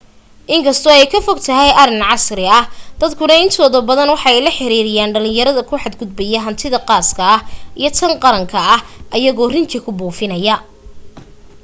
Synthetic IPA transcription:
ʔɪŋkʰɐst̪ʰɔɛjkʰɐfɔɡt̪ʰɐɦɛjʔɐrɪnʕɑsɾɪɐhd̪̥ɐd̪kʰʊnɐɪnt̪ʰɔːðɐbɐðɐnwɑħɑɛjlɐħɪɾiːɾɪjaːnɖɐlɪ̃ŋjɐɾɐðɐkʰʊħɑd̪ɡʊd̪bɛjɛɦɐnt̪ʰɪðɐqɑːskʰɐhʔijɞt̪ʰɐnqɑɾɐŋkʰɐɐhʔɐjɐɣɔːrɪnt̪ʰɪkʰʊbuːfɪnɐjɐ

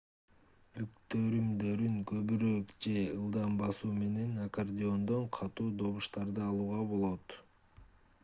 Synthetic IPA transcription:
yk̚t̪øɾymd̪ø̞ɾyŋkø̞βyɾøkd͡ʒe̞ɯlˠd̪ɑmbɑsuːme̞ne̞nakord̪ʲɪo̞nd̪o̞ɴqʰɑt̪uːd̪o̞βuʃt̪ɑɾd̪ɯɑlˠuːʁɑbo̞lˠo̞t̪

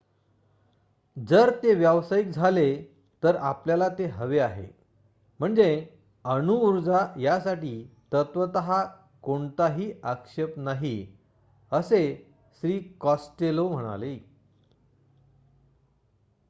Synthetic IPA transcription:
d͡zəɾt̪eʋjəʋsaik̚d͡zʱale | t̪əɾapljalat̪eɦəʋeaɦḛ | m̤əɳd͡ze | ənuːɾd͡zajasaʈiːt̪ət̪ʋət̪əɦa | koɳt̪aɦiːəkʂepnaɦi | əse | ɕɾiːkɔsʈelom̤əɽ̃a̰le

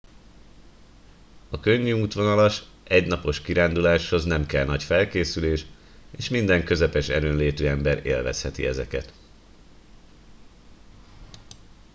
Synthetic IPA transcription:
ɒkø̞ɲːyuːt̪ʋo̞nɒlɒʃ | ʔɛɟnɒpo̞ʃkiɾaːnd̪ulaːʃho̞znɛmkɛlnɒcfɛlkeːsyleːʃ | eːʃmind̪ɛŋkø̞zɛpɛʃɛɾøːnleːt̪yːɛmbɛɾḛːlvɛ̰shɛt̪ḭɛzɛkɛ̰t̪

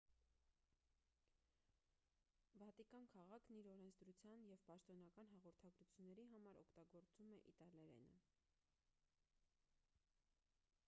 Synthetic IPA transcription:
vɑt̪ikɑnkʰɑʁɑkʰniɾɔɾɛnt͡sʰd̪ɾut͡sʰjɑnjɛvpɑʃt̪ɔn̪ɑkɑnɦɑʁɔɾt̪ʰɑɡɾut͡sʰjunːɛɾiɦɑmɑɾɔkʰt̪ɑɡɔɾt͡sumɛʔit̪ɑlɛɾɛ̰nə̰

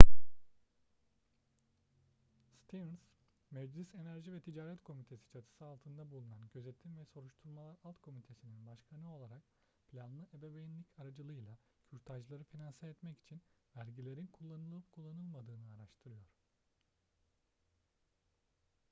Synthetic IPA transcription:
st̪ʰivns | mɛd͡ʒlʲise̞næɾʒivɛt̪ʰid͡ʒaːɾɛt̪kʰo̞mit̪ʰe̞si̥t͡ʃʰat̪ʰɯ̥sɯalˠt̪ʰɯnd̪abulˠunanɟø̞zet̪ʰinvɛso̞ɾuʃt̪ʰuɾˠmalˠaɾalˠt̪kʰo̞mit̪ʰe̞sininbaʃkʰanɯo̞lˠaɾak̚ | pʰlʲanlˠɯʔebebejinlʲicʰaɾad͡ʒɯlˠɯjlˠa | fʰyɾt̪ʰaʒlˠaɾɯfinansaɛt̪mɛci̥t͡ʃʰinvæɾɟilʲe̞ɾinkʰulˠːanɯlˠɯpkʰulˠːanɯlˠmad̪ɯːnɯaɾaʃt̪ʰɯɾɯjo̞ɾ̥

